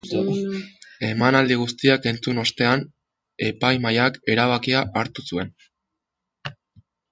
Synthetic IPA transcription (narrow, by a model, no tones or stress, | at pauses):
e̞manald̪iɣ̞ust̪iake̞nt͡suno̞st̪e̞an | e̞pajmajake̞ɾaβakiaʔːɾt̪usue̞n